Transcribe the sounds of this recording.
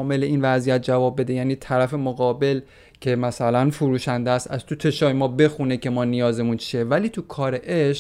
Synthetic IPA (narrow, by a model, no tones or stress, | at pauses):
me̞leʔiːnvæzijæt̪̚d͡ʒævɒːb̚ːe̞d̪e̞jæːniːt̪ʰæɾæfe̞moɣɒːbe̞l | cʰe̞mæsælænfuɾuːʃænd̪eæst̪æz̥t̪ʰut̪ʰe̞ʃɒːjemɒːbe̞xunecʰe̞mɒːnijɒːze̞munt͡ʃʰievæliːt̪ʰukʰɒːɾe̞ʔeʃ